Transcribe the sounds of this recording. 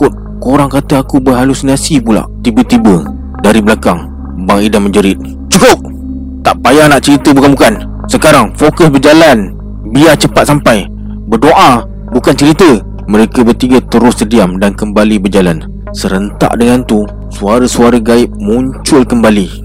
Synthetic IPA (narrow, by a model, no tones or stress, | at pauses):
kʊt̪̚ | koɾaŋkat̪əakubəɦalusinasipula̰ʔt̪ibət̪ibə | daɾiblakaŋ | baŋidaməɲd͡ʒəɾɪt̪̚ | t͡ʃukʊp̚ | t̪aʔpajaŋnaʔt͡ʃəɾit̪əbukanbukan | səkaɾaŋfokʊsbərd͡ʒalan | biat͡ʃəpat̪̚sampaj | bərdoʔa | bukant͡ʃəɾit̪ə | məɾekəbət̪iɡət̪əɾʊsːədiamdankəmbalibərd͡ʒalan | səɾənt̪a̰ʔdəŋant̪u | suaɾəsuaɾəɡaɪp̚mũɲt͡ʃʊlkəmbali